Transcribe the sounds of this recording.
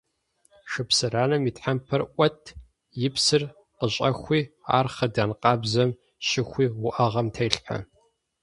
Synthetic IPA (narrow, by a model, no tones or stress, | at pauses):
ʃɨpsɨɾaːnɐmiːtħampʰɐrʔʷɐtʰ | jɪpʰsɨr | qəɕʼɐxʷiːa̰ːrχɐdaːnqɑːbzɐm | ʃɪxʷiːwʊʔɐʁɐmtʰejɬħa̰